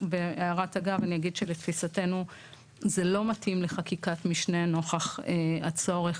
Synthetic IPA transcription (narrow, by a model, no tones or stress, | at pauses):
beeaʁataɡavanijaɡidʃeletfisate̞nu | zelo̞matimleχakikatmiʃneno̞χaχeat͡so̞ʁe̞χ